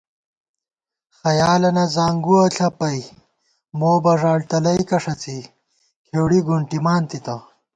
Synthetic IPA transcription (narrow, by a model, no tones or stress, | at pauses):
xɐjaːlɐnɐzaːŋɡuɐɬʰɐpɐj | moːbɐʐaːɽʈ̪ɐlɐjkɐʂɐt͡si | kʰeːwɽiɡuɳʈimaːnt̪it̪ɐ